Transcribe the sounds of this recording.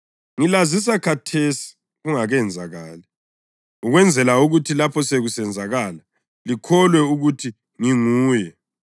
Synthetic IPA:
ŋilazis̬akʰatʰesi̥ | ɣuŋaɣɛnd͡zʱaɣaːlɛ | uɣwɛnd͡zʱɛlauɣutʰilapʰɔseɣusɛnd͡zʱaɣaːla | likʰɔlwɛuɣutʰi | ŋiŋuːjɛ

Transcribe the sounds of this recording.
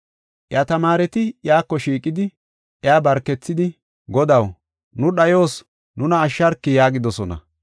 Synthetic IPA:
ʔɪjat̪ɐmaːɾɛt̪ɪjaːkːɔʃiːkʼːɪd̪ɪ | ʔjaːbɐɾkːɛt͡sːɪd̪ɪ | ɡɔd̪ɐw | nʊɗɐjo̞ːs | nʊnɐːʃːɐɾkːɪjaːɡɪd̪ɔsɔnɐ̰

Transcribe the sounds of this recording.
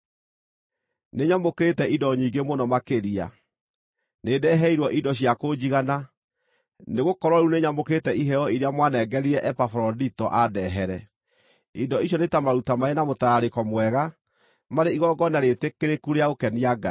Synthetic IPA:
neɲamokeɾetɛʔidɔɲiːɡemonɔmakeɾia̰ | nedɛɦɛiɾwɔʔidɔɕjakod͡ʑiɣana | neɣokɔɾwɔɾuneɲamokeɾetɛiɦɛɔiɾeamwanɛːɡɛɾiɾɛʔɛpafɔɾɔditɔʔadɛɦɛɾɛ | idɔiʃ̬jɔnetamaɾutamaenamotaaɾekɔmwɛɣa | maɾeiɣɔɡɔnaɾetekeɾekuɾeaokɛniaɡa̰

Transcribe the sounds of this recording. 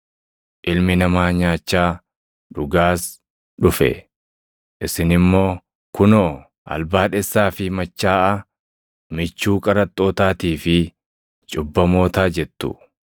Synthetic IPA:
ʔɪlmɪnɐmaːɲaːt͡ʃːaː | ᶑʊɡaːs | ᶑʊfɛ̰ | ʔɪsɪnɪmːo̞ː | kʊnoː | ʔɐ̰lbaːᶑɛsːaːfɪmɐt͡ʃːaːʔɐ | mɪt͡ʃːuːkʼɐɾɐt̪ʼːo̞ːt̪aːt̪iːfɪ | t͡ʃʼʊbːɐmo̞ːt̪aːd͡ʒɛt̪ːʊ̰

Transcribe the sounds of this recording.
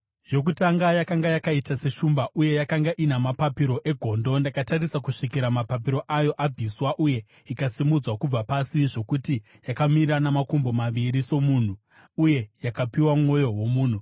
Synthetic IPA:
jo̞k̬utaŋɡajakaŋɡajakaitase̞ʃumbaʔuje̞jakaŋɡaʔinamapapiɾo̞ʔe̞ɡʱo̞ndo̞ndakatarisakuʂikiɾamapap̬iɾo̞ʔajo̞ʔab͡viswaʔuje̞ | ikasimud͡zwakub͡vapasiʐo̞kuti | jakamiɾanamakombo̞maʋiɾiso̞muːn̤u | uje̞jakapiwamŋo̞jo̞ɦwo̞muːn̤u

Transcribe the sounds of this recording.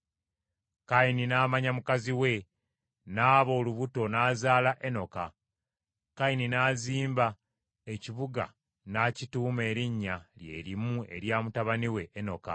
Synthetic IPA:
kaininaːmaɲamukaziwe̞ | naːβo̞ːluβuto̞naːzaːlaʔe̞noka | kaininaːziːmba | e̞ciβuɡa̰ | nacituːme̞ːɾiɲːalje̞̰ːɾimue̞̰ɾjaːmutaβaniwe̞ʔːno̞̰ka̰

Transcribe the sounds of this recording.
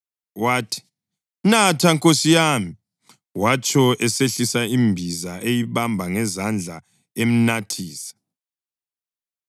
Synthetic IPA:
waːtʰi̥ | natʰaŋkʼosijami | wat͡ʃʼʰɔɛseɬisaimbʱizaʔejiβambʱaŋɛzand͡ɮʱa | em̩natʰiːsḁ

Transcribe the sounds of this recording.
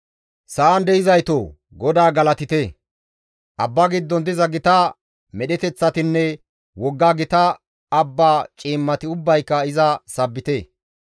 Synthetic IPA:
sɐːnd̪ɛɪzɐjt̪o | ɡɔd̪aːɡɐlɐt̪ɪt̪e | ʔɐ̰bːaɡɪd̪ːɔnd̪ɪzɐɡɪt̪ɐ | mɛɗɛt̪ɛt͡sːɐt̪ɪnːɛ | wɔɡːaːɡɪt̪ɐː | bːaːt͡ʃʼiːmːɐt̪ɪʊbːɐjkːɐɪzɐsɐbːɪt̪e

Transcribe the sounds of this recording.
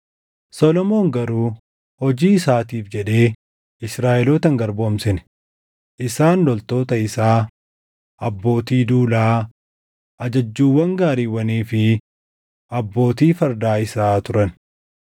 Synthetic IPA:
sɔlɔmo̞ːŋɡɐɾuː | hɔd͡ʒiːɪsaːt̪iːfd͡ʒɛᶑe̞ː | ɪsɾaːʔɛloːt̪ɐŋɡɐɾbʊɐmsɪn | ʔɪsaːnlɔlt̪o̞ːt̪ɐɪsaː | ʔɐbːo̞ːt̪iːd̪uːlaː | ʔɐd͡ʒɐd͡ʒːuːwːɐŋɡaːɾiːwːɐniːfɪ | ɐbːo̞ːt̪iːfɐɾd̪aːɪsaːt̪ʊɾɐn

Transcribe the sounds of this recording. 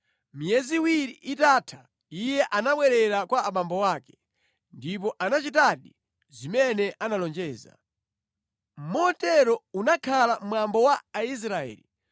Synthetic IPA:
mijɛziwiɾiʔitaːtʰḁ | ijɛʔanaɓwɛɾɛɾakwaːɓambɔwaːkɛ̥ | ndip̬ɔʔanat͡ʃit̬aɗi | zimɛnɛʔanalɔnd͡ʒɛːza̰ | m̩mɔtɛɾɔunakʰalam̩mwambɔwaːis̬ɾaɛ̰ːli

